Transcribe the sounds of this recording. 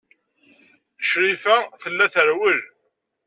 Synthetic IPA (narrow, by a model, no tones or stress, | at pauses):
ʃɾifæθəlːæθəɾwəl